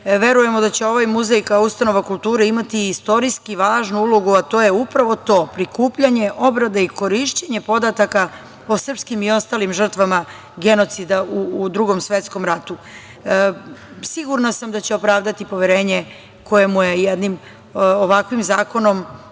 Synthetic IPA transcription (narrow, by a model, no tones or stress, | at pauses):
ʋe̞ɾuje̞mo̞d̪at͡ɕeo̞ʋajmuzejkaust̪ano̞ʋakult̪uːɾeimat̪iːst̪o̞ɾiskiʋaːʒnuulˠo̞ɡuat̪oːjeupɾaʋo̞t̪o̞ːpɾikuːpʎaɲe̞ʔo̞bɾad̪eiko̞ɾiʃt͡ɕeɲe̞po̞d̪at̪aka | osr̩pskimio̞st̪aːlimʒər̩t̪ʋama | ɡe̞no̞t̪sid̪aud̪ɾuɡo̞msʋe̞t̪sko̞mɾat̪u | siɡuɾnasamd̪at͡ɕeopɾaːʋd̪at̪ipo̞ʋjeɾe̞ːɲe | ko̞je̞mujejed̪nim | oʋakʋimzaːko̞no̞m